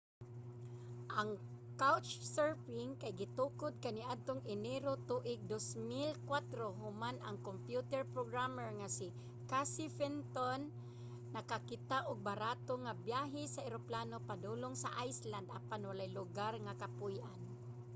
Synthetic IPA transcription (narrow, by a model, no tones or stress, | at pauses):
ʔaŋ | kawt͡ʃsɛɹpɪŋkajɡɪt̪ukʊd̪̚kaniʔad̪̚t̪oŋɪnɛɾot̪uʔɪɡ̚d̪osmɪlkwat̪ɾoɦʊmanaŋkompjut̪ɛɹpɾoɡɾamɛɹŋasi | kasifɛnt̪onː | akakɪt̪aʔʊɡ̚baɾat̪oŋabjaɦɪsaɛɾoplanopad̪uloŋsaʔajsland̪ʔapanwalajlʊɡarŋakapʊjʔan